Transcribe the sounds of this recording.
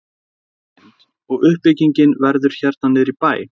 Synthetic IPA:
ɔɣʏhpɪciɲcɪnvɛɾðʏɾ̥çɛɾt̪̚nanːɪɾipaːjɪ

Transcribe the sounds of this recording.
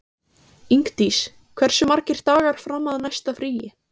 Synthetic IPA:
iŋkt̪is | kʰv̥ɛr̥sʏmaɾcɪɾ̥t̪aːɣaɾ̥fɾamːaðnajst̪afɾiːjɪ

